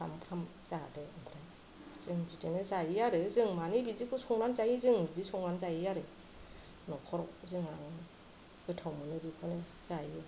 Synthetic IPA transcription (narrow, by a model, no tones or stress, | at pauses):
a̰mpʰam | zadeɯmpʰɾaj | z̥ɯŋzitenezajijaɾɯzɯŋmanibizikʰɯsɔŋnanzajizɯŋbizisɔŋnanzajijaɾe | nɔkʰɔɾɔk̚zɯŋaŋ | ɡɯtʰawmɯnɯbikʰɔne | z̥ajijɯ